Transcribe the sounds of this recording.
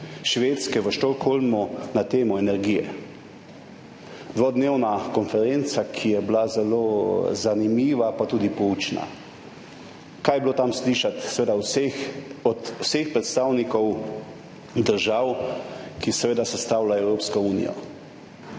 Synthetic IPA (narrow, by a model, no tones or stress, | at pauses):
ʃʋeːt̪skɛʋəʃt̪ɔkxolmunat̪eːmɔɛnɛɾɡijɛ̰ | d̪ʋoːd̪neːwnakɔnfɛɾent̪sakʰijɛblazɛloːzanimiːʋapat̪uːd̪ipɔuːt͡ʃna̰ | kajbloːt̪amsliːʃat̪sɛʋeːd̪awsexɔt̪wsexpɾɛt̪st̪aːwnikɔw | d̪əɾʒawkisɛʋeːd̪asɛst̪aːwlaɛwɾoːpskɔuːnḭjɔ̰